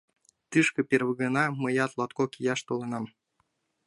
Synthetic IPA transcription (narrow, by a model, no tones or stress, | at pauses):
t̪ɨʃkɤ̆pʲerβə̆ɡə̆nɑmɤjɑt̪lˠɑt̪kokʲijɑʃt̪olˠɤ̆nɑm